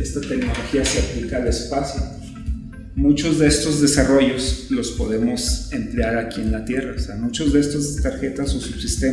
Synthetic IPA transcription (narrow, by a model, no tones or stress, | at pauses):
est̪at̪e̞kno̞lo̞xiaseaplikaːle̞spasjo | mut͡ʃo̞zðee̞st̪o̞zðe̞saro̞ʝo̞slo̞spo̞ðe̞mo̞se̞nt̪ɾeaɾakie̞nlat̪je̞raoseamut͡ʃo̞zðe̞est̪ost̪aɾxe̞t̪asosub̥sist̪e